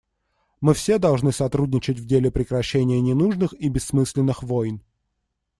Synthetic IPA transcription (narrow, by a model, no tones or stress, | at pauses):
mɨfsʲe̞d̪ɐlˠʐnɨsɐt̪ɾudʲnʲɪt͡ɕɪtʲvdʲelʲɪpɾʲɪkɾɐɕːenʲɪjənʲɪnuʐnɨxibʲɪsːmɨsʲlʲɪnːɨxvojn